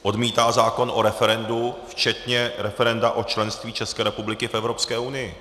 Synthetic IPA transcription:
ʔo̞dmiːt̪aːzaːko̞nʔo̞ɾɛfɛɾɛnduft͡ʃɛt̪ɲɛɾɛfɛɾɛndaʔo̞t͡ʃlɛnst̪viːt͡ʃɛskɛːɾɛpublɪkɪfʔɛvɾo̞pskɛːunɪjɪ

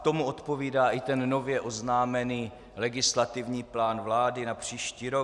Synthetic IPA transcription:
t̪o̞muo̞t̪po̞viːdaːʔɪt̪ɛnːo̞vjɛʔo̞znaːmɛniː | lɛɡɪslat̪ɪvɲiːplaːnvlaːdɪnapr̝̥iːʃciːɾo

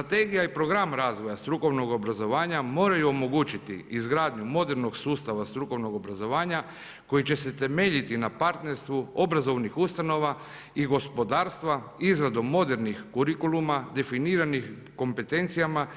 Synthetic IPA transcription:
st̪ɾat̪e̞ːɡijaipɾo̞ɡɾamɾaːzʋo̞jast̪ɾuko̞ʋno̞ɡo̞bɾazo̞ʋaːɲamo̞ːɾajuomo̞ɡuːt͡ʃit̪ḭizɡɾaːd̪ɲumo̞d̪e̞ɾno̞ɡsuːst̪aʋast̪ɾuko̞ʋno̞ɡo̞bɾazo̞ʋaːɲa | ko̞jit͡ɕe̞se̞t̪e̞meʎit̪inapaɾt̪ne̞ɾst̪ʋuo̞bɾazo̞ʋnixust̪ano̞ʋa | iɡo̞spo̞d̪aːɾst̪ʋaizɾad̪omo̞d̪eɾnixkuɾikulumad̪e̞finiːɾanix | ko̞mpe̞t̪e̞nt̪sijama

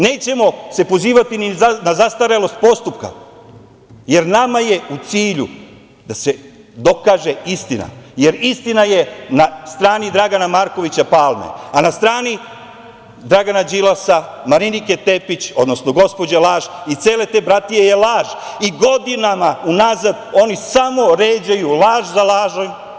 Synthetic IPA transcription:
ne̞ːt͡ɕe̞mo̞se̞po̞ziːʋat̪ininazast̪aɾelo̞st̪̚po̞st̪upka̰ | je̞ɾnamaje̞ut̪siːʎu | d̪̥ase̞ | d̪o̞kaːʒe̞ist̪ina̰je̞ɾist̪inaje̞nast̪ɾaːnid̪ɾaɡanamaːɾko̞ʋit͡ɕapaːlˠmḛanast̪ɾaːni | d̪ɾaɡanad͡ʑilasamaɾiniket̪epit͡ɕo̞d̪no̞snoɡo̞spo̞d͡ʑelaːʒit̪seːle̞t̪e̞ːbɾat̪ijejelˠaːʒiɡo̞d̪inamaunazad̪o̞nisamo̞ɾeːd͡ʑajulaːʒzalaːʒaj

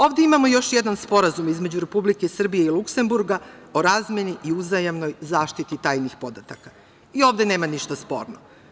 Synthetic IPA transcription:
o̞ːʋvd̪e̞imamo̞jo̞ʃjed̪anspo̞ɾazumizme̞d͡ʑuɾe̞publikesr̩bije̞ilˠukse̞mbuɾɡao̞ɾazmʲe̞niʔiuzajamno̞jzaːʃt̪it̪it̪aːjnixpo̞d̪at̪aka | io̞ːʋd̪e̞ne̞ːmaniʃt̪aspo̞̰ːɾno

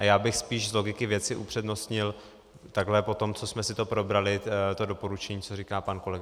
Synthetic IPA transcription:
ʔajaːbɪxspiːʃzlo̞ɡɪkɪvjɛt͡sɪʔupr̝̥ɛdno̞st̪ɲɪl | t̪aɡɦlɛpo̞t̪o̞mt͡so̞smɛsɪt̪opɾo̞bɾalɪt̪o̞do̞po̞ɾut͡ʃɛɲiːt͡soriːkaːpanko̞lɛɡa

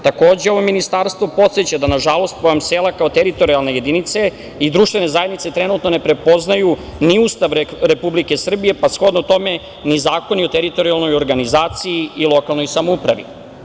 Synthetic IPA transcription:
t̪ako̞ːd͡ʑeo̞ʋo̞minist̪aɾst̪vʋo̞po̞t̪set͡ɕad̪anaʒalo̞st̪̚poamseːlakaot̪eɾit̪o̞ɾialˠne̞je̞d̪init̪se̞ | id̪ɾuʃt̪ʋenezaje̞d̪nit̪se̞t̪ɾe̞nut̪no̞ne̞pɾe̞po̞znajuniuːst̪aʋɾe̞publike̞sr̩bije̞pasxlo̞d̪not̪o̞me̞ | nizaːko̞nio̞t̪eɾit̪o̞ɾialˠno̞jo̞ɾɡanizaːt̪sijiilˠo̞kalˠno̞jsamoupɾa̰ʋḭ

